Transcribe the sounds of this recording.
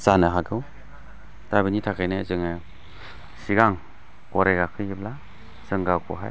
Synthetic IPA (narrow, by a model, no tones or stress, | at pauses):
zanɯɦaɡɯw | tabinitʰakʰɯjnezɯŋɯ | siɡaŋ | kɔɾeɡakʰɯjibla | z̥ɯŋɡakʰɔ̰ɦaj